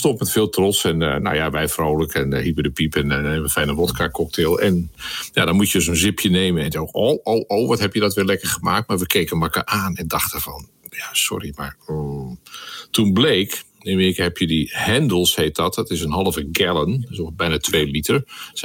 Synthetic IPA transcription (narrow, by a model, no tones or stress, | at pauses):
stɔntmɛtfɪːlˠtrɔtsɛnno̰wjaʋɛjfrowləkʰɛnhipədəpipɛnɛeməfɛjnənʋɔtkʰakɔk̚tʰeːlˠɛnjadɔnmutjədøsonzɪpʰjəneːmənɛnokowʔowʔoːʋɔtɦhɛpjədɔtʋɪlɛkərχəmaːk̚t̚maɹʋəkʰeːkənmakəʔaːnɛndɑxtəvɔn | jasɔ̰ɾimaɹ | tunbleːk | ɪnmɪːrikaɦɛpʰjədihɛndəlˠsheːt̚dɔtdɔtɪsənɦɑlˠəvəɡɛlˠənɪsobɛjnatʰʋeːlitəɹ